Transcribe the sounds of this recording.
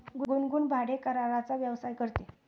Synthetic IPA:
ɡuɡunɡuːɳbʱaɽekəɾaɾat͡saʋjəʋsajkəɾt̪e

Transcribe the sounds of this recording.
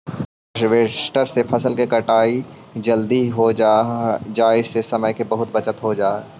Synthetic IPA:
ʃʋeːsʈəɾsepʰɐsəlkekɐʈaːid͡ʒɐld̪iɦod͡ʒad͡ʒaːɪsesɐməjkebɐɦʊt̪̚bɐt͡ʃət̪ɦod͡ʒaː

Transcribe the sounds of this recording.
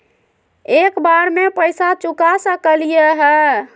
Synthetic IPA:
ekbaɾmepəjsat͡ʃukasəkəlijeɦɛː

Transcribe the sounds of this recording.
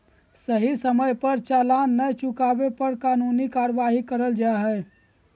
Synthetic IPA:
səɦisəməjpəɾt͡ʃaːlanːəjt͡ʃukaːbepəɾkaːnunikaːɾʋaːɦikəɾəld͡ʒaɦɛː

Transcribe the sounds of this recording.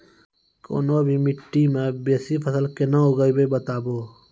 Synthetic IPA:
ko̰ːnobʱimɪʈːimẽbeːsipʰəsəlkenəoɡəibebət̪aːboː

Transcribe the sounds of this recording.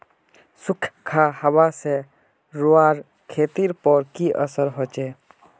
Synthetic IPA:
sukʰkʰahəbase | ɾuaɾ | kʰet̪iɾpɔɾkiʔəsəɾɦot͡ʃe

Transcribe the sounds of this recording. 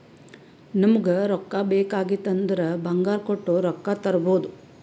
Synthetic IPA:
nɐmɐɡɐɾɔkːabeːkaːɡit̪ːɐnd̪ɐɾɐbʱɐŋɡaːɾkoʈːuɾɔkːat̪ɐɾɐboːd̪u

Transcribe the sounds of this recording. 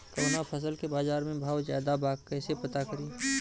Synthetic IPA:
k̪onapʰəs̬əlkebaːzaːɾmẽbʱaːwzaːd̪abaːɡkəːsepət̪akəɾi

